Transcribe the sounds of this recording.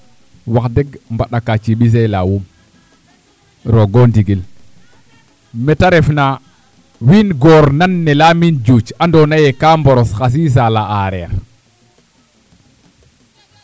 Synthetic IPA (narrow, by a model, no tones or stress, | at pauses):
wakdɛɡmbaɗakat͡ʃiɓis̬ɛla̰wum | ɾɔɡɔndiɡil | mɛtaɾɛfna | winɡɔɾnanːɛlamind͡ʒut͡ʃandɔnajɛkambɔɾɔsxas̬is̬alaaɾɛa̰ɾ